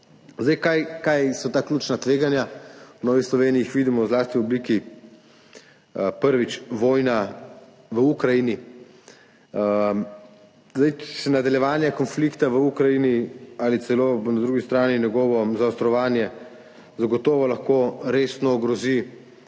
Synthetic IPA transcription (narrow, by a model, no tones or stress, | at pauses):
zd̪ajkajkajsɔt̪aːkluːt͡ʃnat̪ʋeːɡanjawnɔːʋixslɔʋeːniːxʋid̪imɔwzlaːst̪iɔbliki | pəɾʋit͡ʃʋɔːjna | ʋəukɾajini | zd̪ajsɛnad̪aljɛʋaːnjakɔnflikt̪aʋəukɾajinialit̪sɛlonad̪ɾuːɡist̪ɾaːninʲjɛɡɔːʋɔzaɔst̪ɾɔʋaːnjɛ | zaɡɔt̪ɔːʋɔlaxkoɾesnɔːɡɾɔzi